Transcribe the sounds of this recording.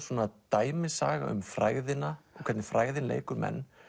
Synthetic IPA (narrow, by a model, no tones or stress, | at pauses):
sɔːnat̪aːjmɪsaːɣa̰ʔʏmfɾaːɣðɪnaɔkʰɛt̪nɪfɾaːɣðɪnlḛːjkʏɾmɛ̰nː